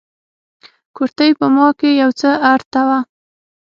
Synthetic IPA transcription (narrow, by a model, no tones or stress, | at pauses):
koɾt̪əjpəmɑkejawt͡səaɾt̪awa